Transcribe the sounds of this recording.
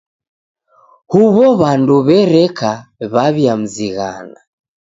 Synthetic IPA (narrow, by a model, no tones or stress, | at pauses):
huβɔβanduβɛɾɛkaβaβjam̩ziɣa̰na